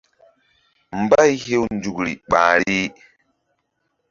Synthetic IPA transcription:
m˨ba˦jhe˦wnd͡ʒu˨kɾḭ˨ɓã̰ː˨ɾi˦

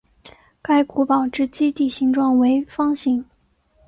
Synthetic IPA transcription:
ka˥ɪku˧˥pɑ˨˩ʊʈ͡ʂɻ̩˥˩t͡ɕi˥t̪i˥˩ɕi˧˥ŋʈ͡ʂwɑ˥˩ŋwe˧˥ɪfɑ˥ŋɕi˧˥ŋ

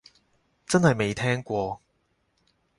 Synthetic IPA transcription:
t͡sɐ˥nhɐ˨˩jme˨˧jt̪ʰɛ˥ŋkʷwɔ˧

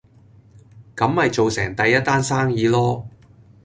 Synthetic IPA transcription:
kɐ˨˥mhɐ˨jt͡so˨wsɛ̰ː˨˩ŋt̪ɐ˨jɐ˥t̪̚aː˥nsaː˥ŋjiː˨˧lɔː˥

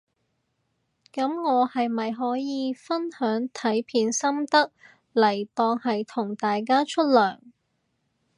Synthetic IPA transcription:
kɐ˨˥mŋɔː˨˧hɐ˨jmɐ˨jɦɔː˨˥jiː˨˧fɐ˥nhœː˨˥ŋt̪ʰɐ˨˥jpʰiː˨˥nsɐ˥mt̪ɐ˥k̚ | lɐ˨˩jt̪ɔː˧ŋhɐ˨jt̪ʰʊ˨˩ŋt̪aː˨jk̬aː˥t͡ʃʰɵ˥t̚lœː˨˩ŋ

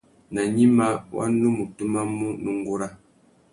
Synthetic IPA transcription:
na˨ɲi˦ma˦wʔa̰˦nu˦mu˨tu˦ma˦mu˦nu˦ŋ˦ɡu˦ɾa˦

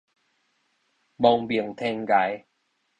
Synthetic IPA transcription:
bɔ˧˩ŋbi˨˩əŋt̪ʰe˧ŋɡa˨˦j

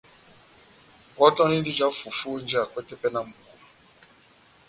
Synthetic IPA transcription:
ɔ˦tɔ̃˦ni˦n̩˦di˦d͡ʒa˦fu˨fu˦n̩˦d͡ʒa˨kʷɛ˦tɛ˦pɛ˦na˨m̩˦bu˨

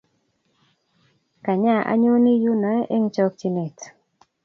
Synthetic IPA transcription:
ka˨ɲa˦˨ʔa̰˦ɲo˦ni˦ju˦nɔ˨ɛ˦ʔe˦ŋt͡ʃɔ˦k̚t͡ʃi˦nɪ˨t

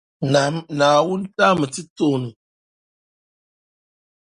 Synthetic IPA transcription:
na˨mnaː˨wʊ˦n˦ta˦mɨ˨tɨ˦toː˦˨nɨ˨

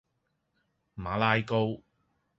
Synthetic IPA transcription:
maː˨˥laː˧jko˧w

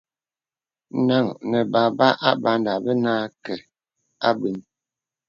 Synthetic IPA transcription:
na˦˨ŋnə˨ba˨ba˦ʔa˦ba˦nda˨bə˦naː˦kɛ˨ | a˦bi˨˦n

